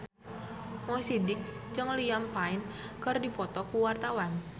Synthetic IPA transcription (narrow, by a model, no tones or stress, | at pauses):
mɔsidɪk̚d͡ʒɨŋliampaɪnkɨrdipɔt̪ɔkuwart̪awan